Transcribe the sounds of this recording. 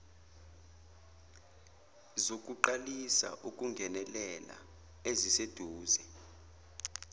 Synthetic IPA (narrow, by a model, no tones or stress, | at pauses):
zok̬ʼuǃalisa̰ʔuk̬ʼuŋɡʱɛnɛlɛla̰ | ezised̥ʱuːzɛ